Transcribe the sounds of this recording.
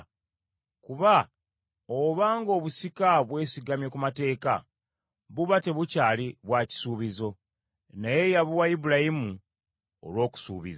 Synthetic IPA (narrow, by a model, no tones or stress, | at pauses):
kuβa | oβaːŋɡo̞ːβusikaβwe̞ːsiɡamjekumate̞ːka̰ | βuβate̞βucaːliβwaci̥suːβizo̞ | naje̞jaβuwaibuɾajimu | o̰lwo̞ːku̥sṵːβḭza